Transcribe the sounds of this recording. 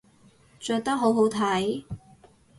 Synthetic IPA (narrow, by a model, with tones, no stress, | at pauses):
t͡ʃœː˨˧t̪ɐ˥k̚ɦo˨˥wɦo˨˥wt̪ʰɐ˨˥j